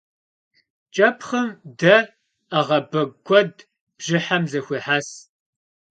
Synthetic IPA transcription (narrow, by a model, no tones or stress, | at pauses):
t͡ʃʼɐpʰχəmdɐ | aʁɐbɐɡʷʰʼɔd | b̥ʒɪħamzɐxʷiːħaːs